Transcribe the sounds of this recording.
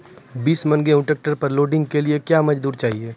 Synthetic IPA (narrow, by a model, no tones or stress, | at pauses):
biːsmɐ̃nɡeʊ̃ʈek̚ʈəɾpɐɾloːɖɪ̃ŋɡ̚keliekjaːmɐd͡ʒd̪uːɾt͡ʃaːɦieː